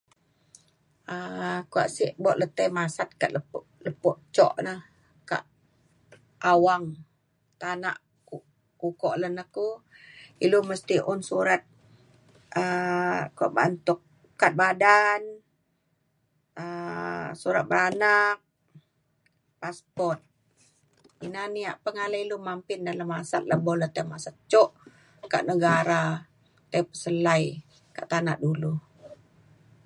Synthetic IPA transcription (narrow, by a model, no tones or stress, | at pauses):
əkua̰ʔsiʔbɔʔlət̪əjmasat̪̚kaʔ̪ləpʔləpɔʔt͡ʃɔ̰ʔnəh | ka̰ʔ | awaŋ | t̪ana̰ʔ | ku | kukɔʔlənəku | iluməst̪iʔʊnsuɾat̪̚ | əkuaʔba̰nt̪ʊk̚ː | at̪̚badan | əsuɾa̰t̪̚banak̚ | paspɔrt̪̚ | inaniaʔpəŋalailumampɪndalamːasa̰t̪̚labolot̪ajmasat̪̚t͡ʃɔʔ | ka̰ʔnəɡaɾa | t̪apəsəlaj | ka̰ʔt̪anaʔdulu